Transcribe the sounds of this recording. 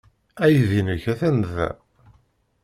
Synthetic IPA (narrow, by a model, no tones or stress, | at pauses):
æjðinəçæθænðæ̰